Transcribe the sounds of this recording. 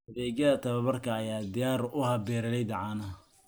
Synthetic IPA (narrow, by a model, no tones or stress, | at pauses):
ɐðɛːd͡ʒɐðɐt̪ʰɐβɐβɐrkʰɐːjaːd̪ɪjaːɾʊhɐbɛːɾɐlɛjd̪ɐʕaːnɐ